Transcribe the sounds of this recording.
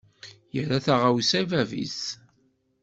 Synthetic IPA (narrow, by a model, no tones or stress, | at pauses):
jəɾaθaʁawisævævḭs